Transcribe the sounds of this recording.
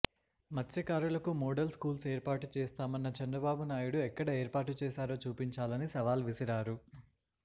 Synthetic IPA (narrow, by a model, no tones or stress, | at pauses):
mɐsɐkaːɾulɐkumoːɽɐlskuːlseːɾpaːʈu̥t͡ʃɛːst̪aːmɐnːɐt͡ʃɛnd̪ɾɐbaːbunaːjuɽuɛkːɐɽɐeːɾpaːʈ̬ut͡ʃɛːsaːɾo̞ːt͡ʃuːpiɲt͡ʃaːlɐnisɐʋaːlʋisiɾaːɾu